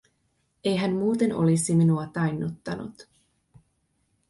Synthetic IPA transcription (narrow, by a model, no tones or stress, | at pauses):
e̞jɦænmuːt̪e̞no̞̰lisiminuɑt̪ɑjnːut̪ːɑnṵt̪